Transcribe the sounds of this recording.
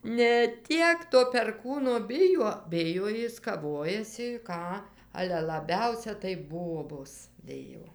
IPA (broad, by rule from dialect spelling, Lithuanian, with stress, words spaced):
nʲɛ ˈtʲiɛk toː pʲɛrˈkuːnoː ˈbʲɪjuɔ ˈbʲɪjoː ˈjɪs kɐˈʋoːjɛsʲɪ ˈkɑː ˈɑːlʲɛ lˠɐˈbʲɛʊsʲɛ tɐɪ ˈboːboːs ˈbʲɪjoː